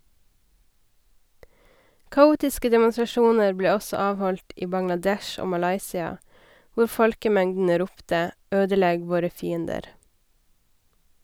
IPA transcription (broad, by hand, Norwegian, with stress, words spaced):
kɑˈuːtɪskə dɛmʊnsɾɑˈʃuːnəɾ ˈbleː ˈɔsɔ ˈɑːʋˌhɔlt ˈiː bɑŋlɑˈdɛʃ ˈoː mɑˈlɑɪsɪɑ ˈʋʊɾ ˈfɔlkəˌmɛŋdn̩ə ˈɾuːptə ˈøːdəˌlɛɡ ˈʋoːɾə ˈfiːəndəɾ